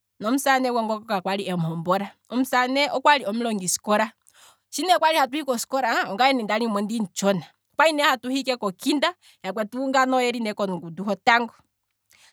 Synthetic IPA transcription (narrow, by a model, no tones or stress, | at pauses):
nɔm̩sanɛwɔŋɡɔkɔkakwaliɛm̩hɔmbɔɾa | ɔm̩sanɛʔɔkwaliɔm̩lɔŋɡisi̥kɔɾa | ʃinɛkwaɾihatuhikɔsi̥kɔɾaɔŋɡaɛnindaɾimɔndin̩t͡ʃɔna | kwainɛhatuhikɛkɔkinda | jak̬wɛtuŋɡanɔjɛɾinɛkɔnɡuduɦɔtaŋɡɔ